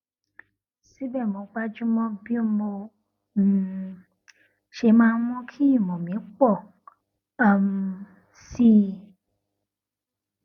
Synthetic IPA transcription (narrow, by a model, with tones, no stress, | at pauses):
si˦bɛ˦˨mõ˨˧˦ɡ͡ba˦d͡ʒũ˦mɔ̃˦bi˦o˦mɔ̃˧˨ | ʃe˧mãː˧˦w̃ɔ̃˧˦kʰi˦i˦˨mɔ̃˨mĩ˨˦k͡pɔ˦˨ | a˦˨m˧ | si˦